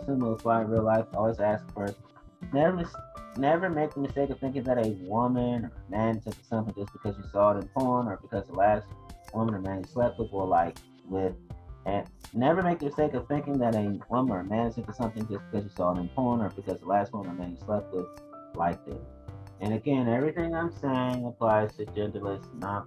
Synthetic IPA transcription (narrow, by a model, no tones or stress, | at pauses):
sɨ̃ifʰlaɪ̃nɹilˠaɪfɔlˠwizæsk̚fɜ˞s | nɛvə˞mɨsnɛvə˞meɪk̚ðəmɨsteɪkʌv̥θɪ̃ŋk̬ɪ̃ŋəðɨɾɨwʊmɨ̃nə˞ɨmæ̃ntʰɨ̃tʰə̥sʌ̃mθɪ̃ŋd͡ʒʌsb̥ɨkʰʌzɨsɔəɾɨ̃npʰɔɹnə˞bɨkʰʌzðəlæst̚wʊ̃mə̃nə˞mæ̃njɨswɛp̚əd̚wəlaɪk̚ | wɪðɨ̃nnɛvə˞meɪk̚ðɨmɨsteɪkʌv̥θɪ̃ŋkɪ̃ŋðɨɾɨwʊm̃nə˞ɨmæ̃nsɨ̃tʰəsʌ̃mθɪ̃ŋd͡ʒʌsbɨ̥kʰʌzjɨsɔəɾɨ̃npʰɔɹnə˞bɨkʰʌzðəlæst̚wʊ̃mə̃nə˞mæ̃njɨswɛp̚tɪd̚laɪk̚ɪ̰t̚ | ɨ̃ñɨɡɛ̃nɛvɹiθɪ̃ŋãɪ̃mseɪɪ̃ŋəpʰl̥aɪz̥tʰɨd͡ʒɛ̃ntˡl̩ˠɪstnət̚